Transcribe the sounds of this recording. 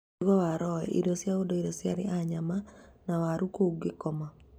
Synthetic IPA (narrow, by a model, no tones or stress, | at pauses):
ɡɔwaɾɔɛ̰ʔḭdosjaodoiɾosjaɾɪaɲamanawaɾukoɡɪkɔma